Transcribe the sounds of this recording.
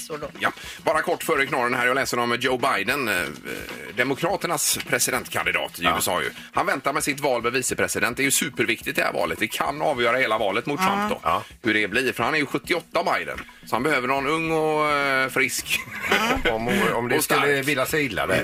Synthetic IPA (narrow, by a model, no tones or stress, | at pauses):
jabɑːɾakʰɔʈːfœːɾəkʰnɑːɾənhæːɾjalɛːsənɔmd͡ʒoʊbajd̪ən | d̪ɛmʊkʰɾɑːt̪əɳaspʰɾɛsɪd̪ɛnt̪kʰa̰nd̪ɪd̪ɑ̰ːt̪ɪʉːɛsɑ̰ːjɵ̰ | hanvɛnt̪aɾmɛsɪt̪vɑːlmɛviːsəpʰɾɛsɪd̪ɛnt̪̚d̪ɛɾjɵsʉːpəɾvɪk̚t̪ɪt̪̚d̪ɛhæ̰ɾvɑ̰ːlət̪̚d̪ɛkʰa̰nːɑːvjœːɾaheːlavɑːlət̪mʊt̪t̪ʰɾa̰mp̚d̪ɔ̰hɵɖɛbliːɾfœɾhanæɾjɵɧɵt̪ːɪɔt̪ːaavbajd̪ə̰n | sɔhanbɛhøːvəɳɔnɵŋːɔfɾɪsk | ɔmɔmd̪ɛskɵlːəvɪlːasɛɪlːa̰d̪ɛ̰